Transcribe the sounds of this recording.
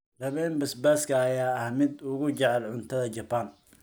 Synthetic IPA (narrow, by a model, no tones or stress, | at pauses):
rɐβɛːnbɐsbaːskʰɐːjaːɐhmɪd̪ʊɣʊt͡ʃɛʕɛlʕʊnt̪ʰɐðɐt͡ʃɐpan